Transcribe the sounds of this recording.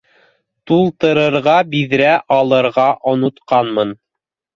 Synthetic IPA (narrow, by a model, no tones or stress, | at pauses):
t̪ulˠt̪ɤ̆ɾɤ̆ɾʁɑbiðɾæʔɑlˠɤ̆ɾʁɑʔŏnŏt̪qɑnmɤn